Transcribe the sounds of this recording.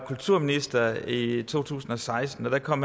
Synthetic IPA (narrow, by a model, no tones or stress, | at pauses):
kʰult͡sʰuɐ̰minisd̥ɐit͡sʰo̝̰ːt͡sʰṵːsn̩ɒ̽sɑ̈ɪsd̥n̩ɒd̥ækʰɒ̽m̰ː